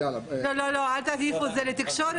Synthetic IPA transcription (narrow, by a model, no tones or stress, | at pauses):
lololoalt̪at̪ifozelet̪ikʃoɾ